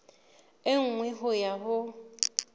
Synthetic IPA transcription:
ɪŋ̩ŋwɛɦʊjaɦʊ

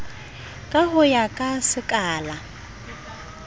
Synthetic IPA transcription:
kʼaɦʊjakʼasɪkʼaːla

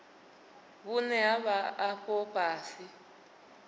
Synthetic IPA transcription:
βunɛaβaːɸɔpʼaːsi

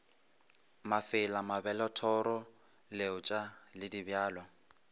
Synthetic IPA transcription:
mafɪlamabɛlɔtʰɔɾɔ | leʊt͡ʃʼalɪdibjaːlwa

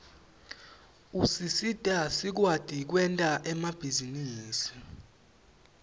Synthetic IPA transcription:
usisitʼasik̬wad̥ʱʼik̬wɛntʼaʔɛmab̥ʱiziniːsi̥

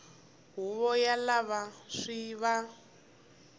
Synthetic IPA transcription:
ɦuβɔjalaβaʂiβa

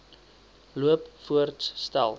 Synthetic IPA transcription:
luəpfuərtsstæ̰lˠ

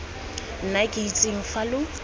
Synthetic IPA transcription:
n̩nakʼɪit͡sʼɪŋ̩falʊ

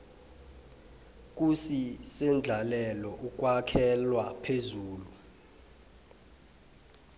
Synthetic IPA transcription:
k̬ʼusisɛnd͡ɮʱalɛlɔʔuk̬ʼwakʰɛlwapʰezuːlu

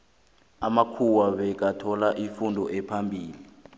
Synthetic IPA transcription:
amakʰuwaβɛk̬atʰɔlaʔifundʱɔʔɛpʰambʱiːli

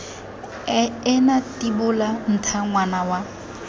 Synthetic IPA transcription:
ɪnatibʊlan̩tʰaŋwanawa

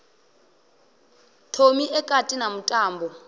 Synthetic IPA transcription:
tʰomiʔɛkʼatʼinamutʼaːmbɔ

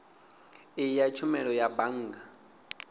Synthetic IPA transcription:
ɪjat͡ʃʰumɛɺɔjabaŋ̩ːɡa

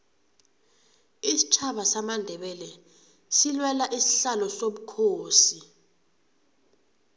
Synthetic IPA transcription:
isi̥t͡ʃʰaɓasamandʱɛɓɛlɛ | silwɛlaʔisi̥ɬalɔsoɓukʰoːsi

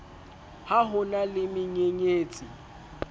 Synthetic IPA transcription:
haɦʊnalɪmɪɲeɲeːt͡sʼɪ

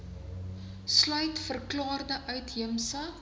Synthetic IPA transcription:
slœɥtfərklɑːrdəʔœɥtɦiəmsə

